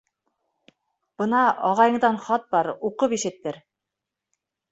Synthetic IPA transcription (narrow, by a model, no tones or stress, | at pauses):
b̥ɤ̆nɑɑʁɑjɤ̆ɴd̪ɑnχɒt̪̚bɑɾuqɤpiʃɘ̆t̪ːɘɾ